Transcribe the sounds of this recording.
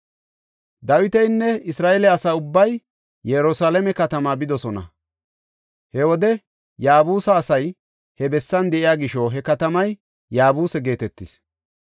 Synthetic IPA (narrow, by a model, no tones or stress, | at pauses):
d̪ɐwɪt̪ɛjnːɛɪsɾaːelɛɐsaːʊbːɐj | jɛɾʊsaːlɛmɛkɐt̪ɐmaːbɪd̪ɔsɔnɐ̰ | hɛwɔd̪ɛ | jaːbuːsɐːsɐj | hɛbɛsːɐnd̪ɛʔɪjaːɡɪʃɔɦɛkɐt̪ɐmɐj | jaːbuːsɛɡe̞ːt̪ɛt̪ːɪs